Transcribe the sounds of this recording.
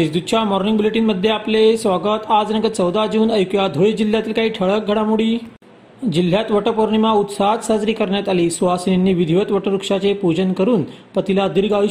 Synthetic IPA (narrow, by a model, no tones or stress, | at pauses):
esd̪ut͡ɕamɔɾniŋɡbileʈiːnməd̪ʱːjeaplesʋaɡət̪ad͡znəɡət͡səwd̪ad͡ʑuːnəjkjad̪ʱoɭed͡ʑil̤ːjat̪iːlkaɦiːʈʰəɭək̚ɡʱəɽamuɽiː | d͡ʑil̤jat̪ʋəʈəpoɾɳimaut̪saɦd̪səd͡zɾiːkəɾɳjat̪aliːsuʋasnenːiːʋid̪ʱiʋət̪ʋəʈəɾukʂat͡sepud͡ʑənkəɾuːnpət̪ilad̪iɾɡaʋi